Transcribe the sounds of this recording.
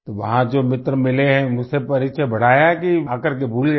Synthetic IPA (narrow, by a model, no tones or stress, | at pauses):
t̪oʋɐɦãd͡ʒoːmɪt̪ɾəmɪleɦɛ̃mʊsepɐɾit͡ʃʰəbʱɐɽ̤aːjakiakɐɾk̬ebʱuːlɡɐ